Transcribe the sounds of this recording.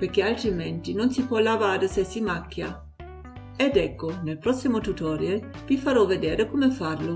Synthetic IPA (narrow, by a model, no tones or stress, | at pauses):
perk̟ealt̪ɾimɛnt̪inonsipwɔlːavaːɾesesimakːja | ɛd̪ɛkːonelpɾɔsːimot̪ut̪ɔɾjalvifaɾɔved̪eːɾekomefarlo